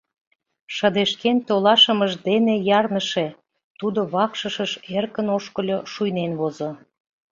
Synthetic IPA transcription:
ʃə̆d̪eʃkent̪olɑʃə̆məʒd̪enejɑrnəʃe | t̪ud̪oβɑkʃəʃəʃerkənoʃkə̆lʲoʃujnenβozo

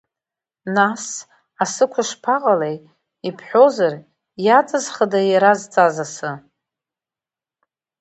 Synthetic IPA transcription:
nas | asɨkʷʰʊʂpʰaqʼalej | ipʰħʷᶣozar | jat͡sʼɨzχadajaɾazt͡sʼazasɨ

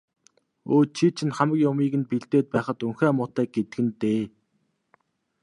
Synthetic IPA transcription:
oːt͡ɕʰit͡ɕʰɪ̆nχamə̆kjʊmiːɣɘ̆npiɮt̪eːt̪̚pæːχə̆t̪uŋxæːmʊːt̪æːk̚ɡet̪ɘ̆ɡɘ̆nt̪eː

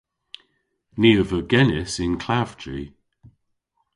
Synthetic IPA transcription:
niːəvəɡɛnɪsɪnkʰl̥av̥d͡ʒḭ

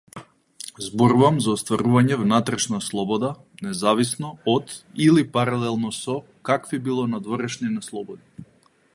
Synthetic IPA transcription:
zbɔɾuvamzaɔst̪vaɾuvaɲɛvnat̪ɾɛʃnaslˠɔbɔd̪a | nɛzavisnɔɔt̪ilipaɾalɛlˠnɔsɔ | kakvibilˠɔnad̪vɔɾɛʃninaslˠɔbɔd̪i

